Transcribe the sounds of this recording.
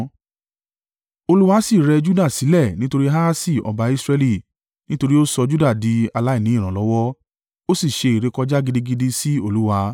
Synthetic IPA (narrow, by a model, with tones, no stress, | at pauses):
o˧lu˦wa˧si˦˨ɾɛ˧d͡ʒu˦da˦˨si˨˦lɛ˦˨nĩ˦to˧ɾi˦ɦa˦a˦si˦˨ɔ̰˧ba˧i˧sɾɛ˧li˦˨ | nĩ˦to˧ɾi˦o˦sɔ˧d͡ʒu˦da˦˨di˨˦a˧la˦i˦˨nĩ˨˦i˦˨ɾ̃ã˨lɔ˦wɔ˦ | o˦si˦˨ʃe˧i˨ɾe˨˦kɔ˦d͡ʒa˦ɡi˧di˦ɡi˧di˧si˦o˦˨lu˦wa˧˦